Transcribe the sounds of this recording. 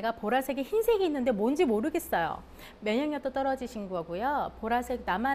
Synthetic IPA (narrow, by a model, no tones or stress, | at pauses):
ɡapoɾasʰe̞ɡeçinsʰeɡiːnːɯnde̞mond͡ʑimoɾɯɡe̞s͈ʌjo̰ | mjʌɲʌŋjʌt͈ʌt͈ʌɾʌd͡ʑiɕʰinɡʌɡujopoɾasʰe̞ɡ̚nama